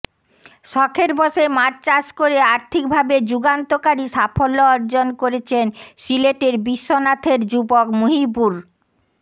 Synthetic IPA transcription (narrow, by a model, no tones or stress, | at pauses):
ʃɔkʰeɾbɔʃemaɾt͡ɕaʃkoɾeaɾt̪ʰik̚bʱabed͡ʑuɡant̪okaɾiʃafolːoɔɾd͡ʑonkoɾet͡ɕʰensileʈeɾbiʃːonat̪ʰeɾd͡ʑubokmoɦibuɾ